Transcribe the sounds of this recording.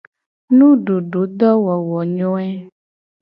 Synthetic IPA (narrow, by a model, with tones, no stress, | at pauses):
nũ˦ɖo˨ɖo˨˦d̪ɔ˦wɔ˨wɔ˨ɲɔ̃˦ɛ˦